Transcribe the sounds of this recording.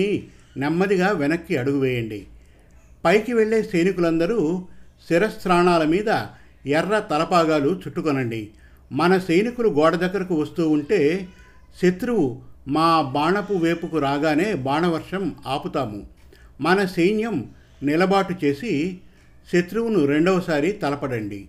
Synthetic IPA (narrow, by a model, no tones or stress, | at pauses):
i | nɛmːɐd̪iɡaːʋɛnɐkːiɐɽuɡuʋɛːjɐɳɖḭ | pɐjkiʋe̞ɭːe̞ːsɐjnikulɐnd̪ɐɾuːsiɾɐst̪ɾaːɳaːlɐmiːd̪ɐ | ɛrːɐt̪ɐlɐpaːɡaːlut͡ʃuʈːukɔnɐɳɖḭ | mɐnɐsɐjnikuluɡɔːɽɐd̪ɐɡːɐɾɐkuʋɐst̪uːuɳʈe̞ː | ʃet̪ɾuwumaːbaːɳɐpuʋe̞ːpukuɾaːɡaːne̞ːbaːɳɐʋɐɾʂɐmaːput̪aːmṵ | mɐnɐsɐjnjɐm | nilɐbaːʈut͡ʃe̞ːsi | ʃet̪ɾuʋunuɾe̞ɳɖɔːsaːɾit̪ɐlɐpɐɽɐɳɖḭ